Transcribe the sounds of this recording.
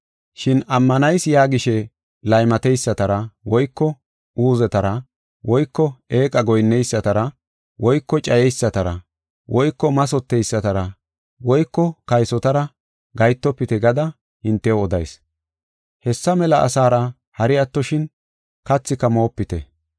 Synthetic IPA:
ʃɪnɐmːɐnɐjsjaːɡɪʃɛ | lɐjmɐt̪ɛjsːɐt̪ɐɾɐwɔjkːɔ | uːzɛt̪ɐɾɐ | wɔjkːɔeːkʼɐɡɔjnːɛjsːɐt̪ɐɾɐ | wɔjkːɔt͡ʃʼɐjɛjsːɐt̪ɐɾɐ̰ | wʔɔjkːɔmɐsɔt̪ːɛjsːɐt̪ɐɾɐ | wɔjkːɔkɐjsɔt̪ɐɾɐ | ɡɐjt̪ːɔpːɪt̪ɛɡɐd̪ɐ | hɪnt̪ːɛɔd̪ɐ̰js | hɛsːɐmɛlɐʔːsaːɾɐ | hɐɾɪjɐt̪ːɔʃɪn | kɐt͡sːɪkːɐmo̞ːpːɪt̪ɛ̰

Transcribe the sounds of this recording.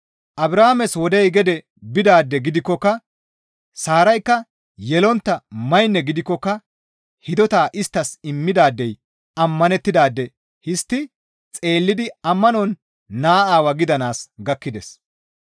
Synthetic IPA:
ʔɐbɾaːmɛswɔd̪ɛjɡɛd̪ɛ | bɪd̪aːd̪ːɛɡɪd̪ɪkːɔkːɐ | saːɾɐjkːɐ | jɛlɔnt̪ːɐmɐjnːɛɡɪd̪ɪkːɔkːɐ | hɪd̪ɔt̪aːʔɪst̪ːɐsɪmːɪd̪aːd̪ːɛj | ɐmːɐnɛt̪ːɪd̪aːd̪ːɛ | hɪst̪ːɪ | t͡sʼe̞ːlːɪd̪ɪɐmːɐnɔnː | aːaːwɐɡɪd̪ɐnaːsɡɐkːɪd̪ɛs

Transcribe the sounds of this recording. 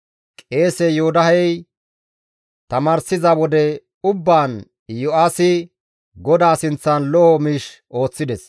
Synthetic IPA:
kʼe̞ːsɛjoːd̪ɐɦɛj | t̪ɐmaːɾsɪzɐwɔd̪ɛ | ʊbːaːn | jɔʔaːsɪ | ɡɔd̪aːsɪnt͡sːɐnlɔʔɔmiːʃʔo̞ːt͡sːɪd̪ɛs

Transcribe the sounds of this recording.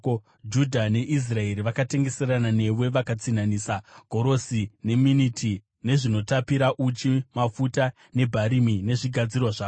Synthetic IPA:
d͡ʒudʱane̞ʔis̬rae̞ɾiʋakate̞ŋɡe̞se̞ranane̞we̞ʋakat͡sinaniːsaɡʱo̞ɾo̞sine̞minitʰi | ne̞ʐino̞tapiɾaʔut͡ʃimafuta | ne̞bʱaɾimine̞ʐiɡʱad͡zirwaʐaː

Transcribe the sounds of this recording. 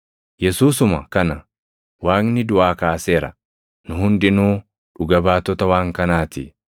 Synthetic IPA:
jɛsuːs̬ʊmɐkɐnɐ | waːŋnɪd̪ʊʔaːkaːseːɾɐ̰ | nʊhʊnd̪ɪnuː | ᶑʊɡɐbaːt̪ːɔt̪ɐwaːŋkɐnaːt̪ɪ̰

